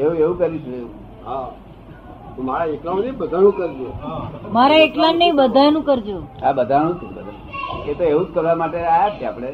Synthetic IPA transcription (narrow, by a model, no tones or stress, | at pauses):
eũeʋũkəɾiʃueũ | ɦa | t̪omaɾaeklãnə̃bəd̪ʱanũkəɾd͡ʒomaɾaeʈlãnəibəd̪ʱanũkəɾd͡ʒoabəd̪ʱanũt͡ʃʰṵ̃kəɾḛ | et̪oeʋũd͡ʒkəɾʋamaʈeajat͡ʃʰeapɽ̃e